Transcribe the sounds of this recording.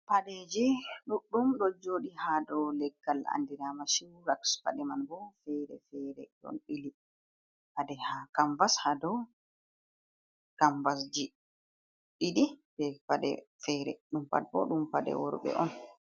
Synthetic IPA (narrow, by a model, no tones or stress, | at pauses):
paɗed͡ʒiɗuɗːumɗɔd͡ʒoːɗihadɔlɛɡːala̰ndiɾamaʃiwɾaksfa̰ɗɛmanbɔfɛɾɛ̰fɛɾɛ̰ɗɔ̰nɗili | padɛhakamvashadɔ | kamvas̬d͡ʒi | ɗiɗibɛfaɗɛ̰fɛɾɛ̰ɗumfa̰ɗɛbɔɗumfadɛ̰wɔɾɓɛ̰ʔɔn